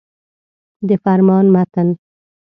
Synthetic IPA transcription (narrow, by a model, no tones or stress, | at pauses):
d̪əfaɾmɑːnmat̪ən